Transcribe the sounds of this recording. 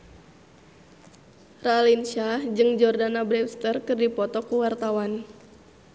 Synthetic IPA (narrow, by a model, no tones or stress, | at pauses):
ralinʃad͡ʒɨŋd͡ʒɔrdanabɾɛpst̪ərkɨrdipɔt̪ɔkuwart̪awan